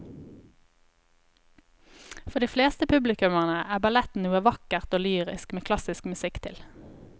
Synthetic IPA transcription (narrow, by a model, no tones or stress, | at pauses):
fɔʁd̪iːfleːst̪əpʰʉblɪkʉməʁnəæːbɑlɛt̪n̩nuːəʋɑkəʁt̪oːlyːʁɪ̰skmeːkʰlɑsɪskmʉsɪkt̪ʰɪl